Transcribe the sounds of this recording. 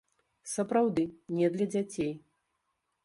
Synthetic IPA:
sɐpɾawd̪ɨnʲɛd̪lʲɐd͡zʲat͡sʲej

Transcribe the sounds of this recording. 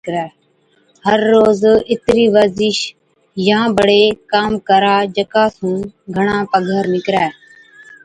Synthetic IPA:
kɾɛː | həɾːoːzɪt̪ɾiːʋəzɪʃ | jãːbəɽeːkaːmkəɾaːd͡ʒəkaːsũːɡʱəɳ̃ãːpəɡʱəɾnɪkɾɛː

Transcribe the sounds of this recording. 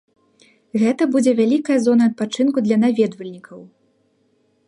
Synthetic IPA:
ɣɛt̪ɐbud͡zʲɛvʲalʲikɐjɐzɔnɐːt̪̚pat͡ʂɨnkud̪lʲɐnavʲɛd̪vɐlʲnʲikʰɐw

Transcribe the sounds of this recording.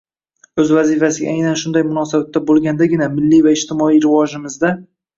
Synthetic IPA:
ɵzvazɪfasɪɡʲa̰ajnanʃʊnd̪ajmʊnɒsabat̪ʰːabolˠɡʲand̪aɡʲɪnamɪlːijvaɪʃt̪ʰɪmɒijɾɪvɒʒɪmɪzd̪a

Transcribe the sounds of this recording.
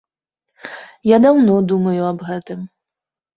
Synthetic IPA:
jad̪awnɔd̪umɐjuɐbɣɛt̪ɨm

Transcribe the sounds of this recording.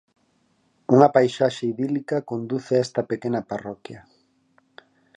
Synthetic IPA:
uŋɐpajʃaʃeiðilikɐkond̪uθeaɛst̪ɐpekenɐaparɔkja

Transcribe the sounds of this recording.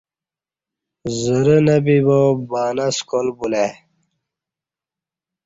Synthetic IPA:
zəɾənɐbibobaːnaskolbule

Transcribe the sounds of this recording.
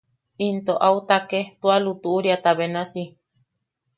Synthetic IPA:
int̪oʔaut̪aket̪ualut̪uuɾiat̪aβenasi

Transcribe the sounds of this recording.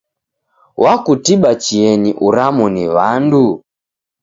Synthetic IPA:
wʔakutiɓat͡ʃiɛniʔuɾamuniʋandu

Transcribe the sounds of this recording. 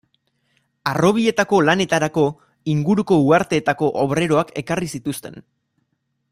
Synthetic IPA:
aro̞β̞ie̞t̪ako̞lane̞t̪aɾako̞ | iŋɡuɾuko̞uaɾt̪e̞ːt̪ako̞ʔoβɾe̞ɾo̞ake̞karisit̪ust̪e̞n

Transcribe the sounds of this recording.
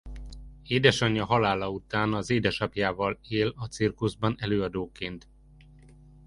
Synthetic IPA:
eːd̪ɛʃɒɲːɒɦɒlaːlɒut̪aːnɒzeːd̪ɛʃɒpjaːvɒleːlɒt̪sirkuzbɒnɛløːɒd̪oːkeːnt̪

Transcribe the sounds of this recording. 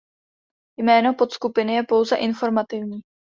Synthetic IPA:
jmɛːno̞po̞t̪skupɪnɪjɛpo̞wzɛʔɪnfo̞ɾmat̪ɪvɲiː

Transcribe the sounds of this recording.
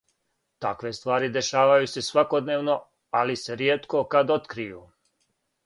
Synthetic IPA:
t̪akʋe̞st̪ʋaːɾid̪e̞ʃaːʋajuse̞sʋako̞d̪neːʋno̞ | alise̞ɾjeːt̪ko̞kad̪ot̪kɾijuː

